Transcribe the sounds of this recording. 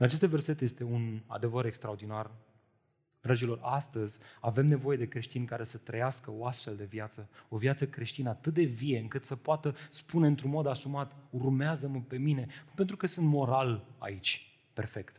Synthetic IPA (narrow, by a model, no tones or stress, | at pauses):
ɨnat͡ʃe̞st̪ve̞rse̞t̪je̞st̪e̞una̰d̪e̞vəɾe̞kst̪ɾaod̪inar | d̪ɾad͡ʒilo̞rast̪əzʲave̞mne̞vo̞je̞d̪e̞kɾe̞ʃt̪inʲkaɾe̞sət̪ɾəjaskəo̞ast̪fe̞ld̪e̞vjat̪səo̞vijat̪səkɾe̞ʃt̪inəat̪ɨt̪̚d̪e̞vije̞ɨŋkɨt̪səpoat̪əspune̞ɨnt̪ɾunmo̞d̪asumat̪urmeazəməpe̞mine̞nupent̪ɾukəsɨnt̪mo̞ɾala̰it͡ʃʲ | pe̞̰rfe̞kt̪